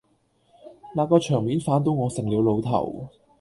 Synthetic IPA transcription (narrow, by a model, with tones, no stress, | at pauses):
nlaː˨˧kɔː˧t͡ʃʰœː˨˩ŋmiː˨˥nfaː˨˥nt̪̬o˧˥wŋɔː˨˧sɪ˨˩ŋliː˨˧wlo˨˧wt̪ʰɐ̰˨˩w